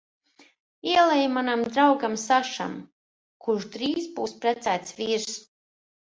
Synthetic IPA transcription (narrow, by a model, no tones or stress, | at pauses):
iɛlˠɛjmanamd̪ɾawɡamsaʃa̰m | kuʃd̪ɾiːsbuːspɾɛt̪sæːt̪svʲiːɾs